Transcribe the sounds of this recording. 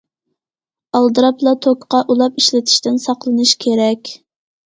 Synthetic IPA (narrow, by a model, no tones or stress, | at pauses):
ɑlˠd̪ɨɾɑplˠɑt̪ʰokqɑʔulˠɑpiʃlɪt̪ʰɪ̥ʃt̪ɪnsɑqlˠɨnɨʃkʲʰeɾɛkʲ